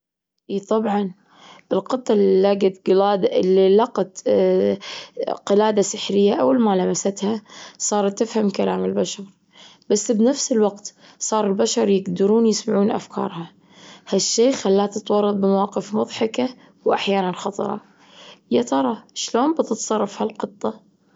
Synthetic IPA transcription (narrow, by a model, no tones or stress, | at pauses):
ʔiːt̪ˤɑbʕɑn | ʔɪlqɨt̪ˤːɑlilaːɡat̪ɡɪlaːd̪lːilɑqɑt̪ | qɪlaːd̪asɪħɾɪjːaʔa̰walmalamasat̪hasˤɑːɾˤt̪ːɪfhamkalaːmɪlbaʃɑɾˤ | b̥asːbnafsɪlwɑqt̪ | sˤɑːɾˤɪlbaʃɑɾˤjɪɡd̪ɪɾuːnjɪsmaʕuːnʔa̰fkʰɑ̰ːɾˤhɑ | haʃːeːxalːaːt̪ɪt̪wɑrˤːɑðˤbɪmawɑːqɪfmʊðˤħɑka | wʔaħjaːnanxɑt̪ˤɑ̰ɾˤɑ̰ | jat̪ɑɾˤɑʃloːnbɪt̪ɪt̪sˤɑrˤːɑfhalqɨt̪ˤːɑ